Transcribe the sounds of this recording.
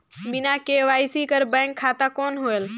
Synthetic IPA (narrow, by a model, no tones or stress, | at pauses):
ɓɪnakeːʋaːisikəɾbɛ̃ːŋkʰːaːt̪akoːnɦuel